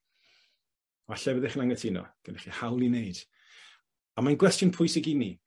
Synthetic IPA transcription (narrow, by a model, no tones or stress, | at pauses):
ɔaɬɛvəðɛχnaŋnɛtʰinɔ̰ɡ̥ənɛχihawlˠineɨd̥ | amajnɡwɛstjɔnpʰʊjsɪɡini